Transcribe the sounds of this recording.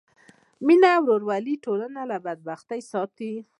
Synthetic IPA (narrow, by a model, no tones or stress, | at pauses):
minawɾoɾwaliʈolanalabad̪̚baxt̪ajsɑt̪i